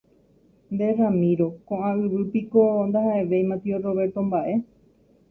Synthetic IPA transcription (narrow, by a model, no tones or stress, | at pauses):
nd̪e̞ramĩɾo̞kõʔãɨʋɨpikond̪aɦaʔe̞ʋe̞jmãt̪ioro̞βe̞ɾt̪õ̞mbaʔe̞